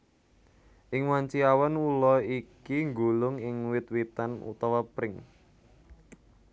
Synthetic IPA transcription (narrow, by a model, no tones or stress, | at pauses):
ʔɪŋwaɲt͡ʃiawanulɔikiŋɡolʊŋɪŋwɪt̪̚wit̪anṵt̪awapɾɪŋ